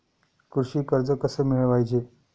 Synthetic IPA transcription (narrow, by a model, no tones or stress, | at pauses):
kuɾɕiːkəɾd͡zəkəsəːmiɭʋajd͡ʑe